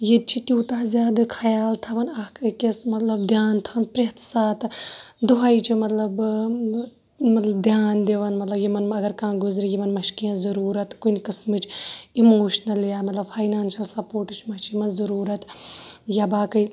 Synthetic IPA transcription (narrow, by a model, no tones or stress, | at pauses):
jet͡ʃʰit̪juːt̪aːzjaːd̪ɨkʰɐjaːlt̪ʰɐʋɐnɐkkʲesmɐt̪lɐbd̪ʱjaːnt̪ʰɐʋɐnpɾeːt̪saːt̪d̪uɦaːit͡ʃʰimɐt̪lɐb | mɐt̪lɐbd̪ʱjaːnd̪eʋɐnmɐt̪lɐbjimɐnɐɡɐɾkãːɡʊzɾijimɐnmɐʃkiɐ̃nzɐɾuːɾɐt̪kunʲkɨsmɨt͡ʃʰimoːʃnɐljaːmɐt̪lɐbfʰaːjnaːnʃɐlsɐpoːɾʈɨt͡ʃʰmɐʃt͡ʃimɐnzɐɾuːɾɐt̪jabaːkɐj